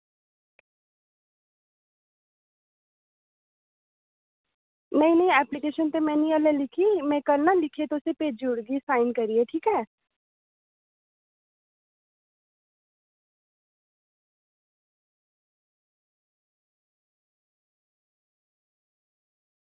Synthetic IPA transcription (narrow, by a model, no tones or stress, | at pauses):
nɐĩnəĩɛplikeʃənt̪emɛ̃ːnĩəlɛ̃lɪkʰimɛ̃kəɾnalɪkʰet̪oʊsepeːd͡ʒʊɽɡisaːɪnkəɾieʈʰiːkɦɛː